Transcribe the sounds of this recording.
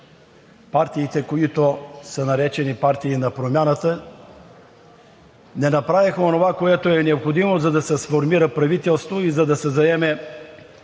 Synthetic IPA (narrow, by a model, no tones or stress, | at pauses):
paɾt̪iːt̪ɛkoit̪osənɐɾɛt͡ʃɛnipaɾt̪iːnɐpɾomʲjanət̪ə | nɛnɐpɾavixonovakoɛt̪oɛnɛopxod̪imozɐd̪ɐsɛsfoɾmiɾəpɾɐvit̪ɛlˠst̪voizɐd̪ɐsɛzɐɛmɛ